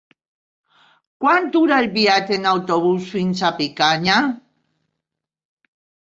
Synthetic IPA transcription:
kwant̪uɾalbiat̪enawt̪oβusuinsapikaɲa

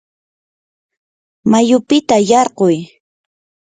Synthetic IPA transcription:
majʊpɪt̪ajɑɾqoj

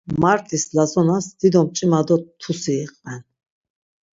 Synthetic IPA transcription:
maɾt̪ʼislazɔnasd̪̥id̪ɔmt͡ʃʼimad̪ɔt̪ʰusiɛqʼɛn

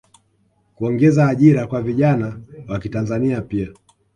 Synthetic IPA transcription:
kuɔŋɡɛzaːʄiɾakwaviʄanawakitanzaniapia

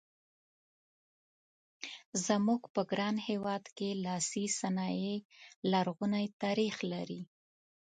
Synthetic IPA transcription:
zəmuɡpəɡɾɑnhewɑd̪kelɑsisanɑjelaɾɣunajt̪ɑɾixlaɾi

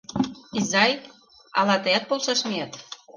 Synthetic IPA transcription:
izɑj | ɑ̰lɑt̪ɤæt̪̚polʃɑʃmiɑt̪

